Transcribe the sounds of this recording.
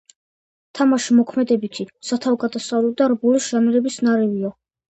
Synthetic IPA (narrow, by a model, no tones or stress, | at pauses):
t̪ʰamaʃimɔkʰmɛd̪ɛbit̪ʰisat̪ʰavɡad̪asavlɛb̚d̪aɾbulisʒamiɾɛbisnaɾɛviɔ